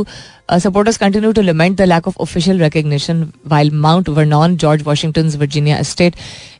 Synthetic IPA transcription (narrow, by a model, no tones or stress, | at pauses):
sɐp̬oːɾʈəɾz̥kə̃ɳʈɪ̃njuʈuləmɛ̃ɳʈ̚d̪əlækɔfo̰fɪʃəlɾɛkəɡ̚nɪʃə̃nʋaɪlmãʊ̃ɳʈʋəɾnɔ̃ːnd͡ʒɔːɾd͡ʒʋɔːʃɪ̃ŋʈə̃nzʋəɾd͡ʒɪnja̰ʔsʈeːʈ